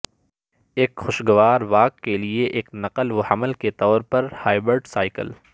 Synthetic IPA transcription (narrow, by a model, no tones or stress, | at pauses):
eːkxʊʃɡɐʋaːɾʋaːkːelieʔeːknɐqəlʋohɐməlket̪ɔːɾpɐɾhaːɪbɾəɾɖsaːɪkə̰l